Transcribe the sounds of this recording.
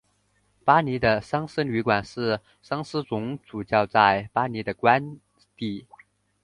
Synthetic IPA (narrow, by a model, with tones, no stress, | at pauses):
pa˥ni˧˥d̪ə˧ʂɑ˥ŋsə˥nly˧˥kwa˨˩nʂɻ̩˥˩ | ʂɑ˥ŋsɹ̩˥t͡sʊ˧˥ŋt͡su˨˩t͡ɕjɑ˥˧ʊt͡sa˥˩ɪpa˥ni˧˥d̪ə˧kwa˥n | t̪i˥˩